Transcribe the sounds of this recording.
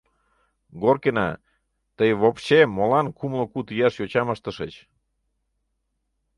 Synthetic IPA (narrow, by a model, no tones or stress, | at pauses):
ɡorkenɑ | t̪əjβopɕeːolɑnkumlokut̪ijɑʃjot͡ɕɑməʃt̪ə̆ʃət͡ɕ